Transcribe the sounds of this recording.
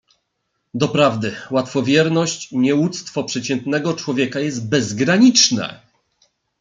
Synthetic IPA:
d̪ɔpɾavd̪ɘwat̪fɔvʲjɛɾnɔɕt͡ɕiɲɛwut̪st̪fɔpʂɛt͡ɕɛnt̪nɛɡɔt͡ʂwɔvʲjɛkajɛs̬t̪̚bɛzɡɾaɲit͡ʂnɛ̰

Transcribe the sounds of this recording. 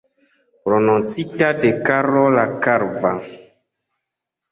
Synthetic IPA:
pɾonunt͡sitadekaɾolakaɾva

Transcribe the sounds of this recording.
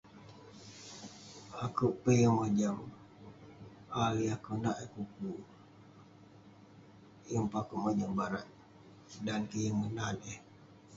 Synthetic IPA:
akuʔpəjəŋməd͡ʒəm | aliakunaʔekuku | jəmpakuʔməd͡ʒəmbaɾaʔ̚ | dankəjəŋənane

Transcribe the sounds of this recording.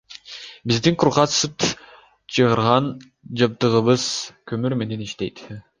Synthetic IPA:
bizd̪iŋqʰuɾʁɑsɯp | t͡ʃʰɯʁɯɾʁɑn | d͡ʒɑp̚t̪ɯʁɯβɯz̥kʰømyɾme̞ne̞niʃt̪e̞̰jt̪

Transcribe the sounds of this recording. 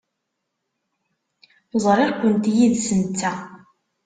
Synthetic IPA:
əzˤɾˤɪʁkʷːənt̪jiðsənt͡s̪ːæ

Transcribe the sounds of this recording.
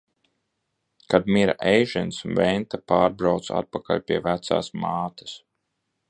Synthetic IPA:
kad̪miɾa̰ʔɛjʒɛnsunvɛnt̪apaːɾbɾawt̪sa̰t̪̚paka̰lʲpʲiɛvæt̪sa̰ːsmaːt̪ɐ̥s

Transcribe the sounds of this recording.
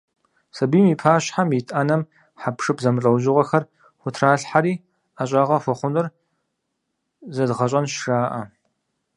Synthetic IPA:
sɐbiːmiːpʰaːɕħamjɪtʼʔaːnɐm | ħapʂɨpzɐmɨɬʼɐwʒɪʁʷɐxɐr | xʷʊtʰraːɬħaɾiː | aːɕʼaːʁɐxʷɔχʷʊnɨr | zɐdʁɐɕʼɐnʃʂaːʔɐ

